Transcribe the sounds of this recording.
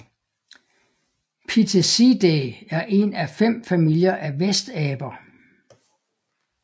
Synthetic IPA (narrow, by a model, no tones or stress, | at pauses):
pʰit͡sʰesid̥eæɐʔe̝næfem̰fæmil̰jɐʔæʋesd̥ɛːb̥ɐ